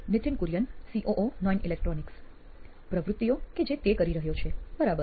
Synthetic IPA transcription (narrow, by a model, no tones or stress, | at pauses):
nɪt̪ʰinkuɾjənsiʔoʔonɔjnilek̚ʈɾɔniks | pɾəʋɾut̪ːijoked͡ʒet̪ekəɾiɾəɦjot͡ʃʰebəɾabə